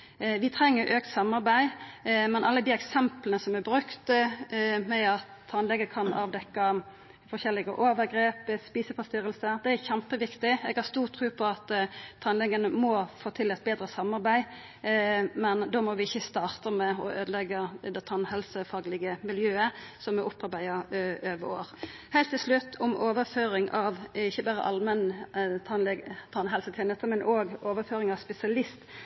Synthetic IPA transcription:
ʋɪt̪ʰɾɛŋːəɾʔøːk̚t̪sɑmːɑɾbæɪmɛnʔɑlːəd̪iːɛksɛmplənəsɔmæbʁʉkt̪ | mɛɑt̪ʰːɑnlɛɡəkʰɑnɑ̰ːʋd̪ɛkːɑ | fɔçɛlːɪɡəʔoːʋəɾɡɾeːpspiːsəpɑst̪ʏɾəlsəd̪ɛæɾçɛmpəʋɪkt̪ɪɛɡhɑʁst̪uːʁt̪ʰʁʉːpʰɔɑt̪t̪ʰɑnlɛɡənəmɔfoːt̪ʰɪlɛt̪̚beːd̪ɾəsɑmːɑʁbæɪ | mɛnd̪omɔʋɪɪçːəst̪ɑːʁt̪əmɛɔ̰ʔøːd̪əlɛɡəd̪ɛt̪ʰɑnhɛlsəfɑːɡlɪɡəmɪljøːəsɔmɛʔʊpːɑɾbæɪəʔøːʋəo̰ːʁ | hæɪlt̪ʰːɪlslʉt̪ːʰʊmʔoːʋəɾføːɾɪŋʔɑʋɪçːəbæːɾə̰ʔɑlmɛnt̪ʰɑnlɛɡt̪ʰɑnɦɛlsət̪ʰjɛːnɛt̪əmɛnʔoːɡoːʋəføːɾɪŋɑʋspɛsɪɑlɪst̪

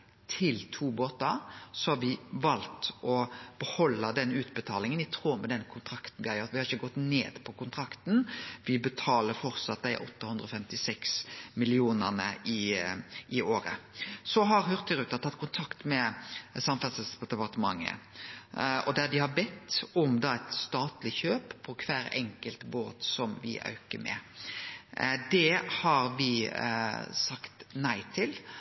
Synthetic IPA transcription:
t̪ʰɪlt̪ʰuːboːt̪əɾsɔhɑʋɪʋɑlt̪ɔb̥əhɔlːəd̪ɛnʉːt̪bət̪ʰɑːlɪŋənɪt̪ʰʁuːmɛd̪ɛnkʰʊnt̪ʰɾɑkt̪n̩ʋɪhɑɾjøːɾt̪ʋɪhɑɾɪçːəɡɔt̪nḛːd̪̥pʰɔkʊnt̪ʰɾɑkt̪n̩ʋɪbət̪ʰɑːləɾfɔɾt̪sɑt̪̚d̪æɪʔɔ̰t̪ːəhʉnd̪ɾəɔfɛmt̪ɪsɛksmɪlɪuːnənə̰ʔɪʔɪoːɾə̰sɔɦɑɾhøʁt̪ʰəɾʉːt̪ɑt̪ʰːɑt̪̚ːkʰʊnt̪ʰɑkt̪mɛsɑmfɛsəsd̪ɛpɑʁt̪əmɑ̰ŋːə̰ | ɔ̰d̪æd̪ɪhɑɾbɛt̪ːɔmd̪ɑæɪt̪st̪ɑːt̪lɪçøːppʰɔkʰʋæːɾɛ̰ŋkəlt̪boːt̪sɔmʋɪ̰ʔɑ̰ʉkə̰mɛ̰ | d̪ɛhɑɾʋɪ | sɑkt̪næɪt̪ʰɪl

